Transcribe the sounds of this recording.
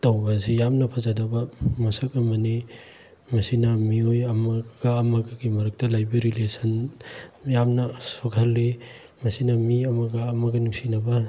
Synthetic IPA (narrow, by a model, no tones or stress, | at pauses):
tɐwbɐsijamnɐpʰɐzɐdɐbɐmɐsɐkɐmɐni | mɐsinɐmiojɐmɐɡɐːmɐɡɐɡimɐɾɐk̚tɐlajbiɾilesɐn | jamnɐsoɡʰɐlːi | mɐsinɐmiɐmɐɡɐːmɐɡɐnuksinɐbɐ